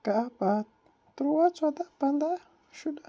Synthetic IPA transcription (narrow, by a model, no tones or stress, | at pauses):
kaaba | tuɾuwat͡swadapanda | ʃuda